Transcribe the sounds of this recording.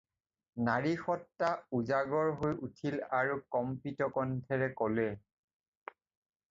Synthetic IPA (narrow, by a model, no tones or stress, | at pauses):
naɹixɔtːauzaɡɔɹɦojutʰilaɹukɔmpitɔkɔntʰɛɹɛkɔlɛ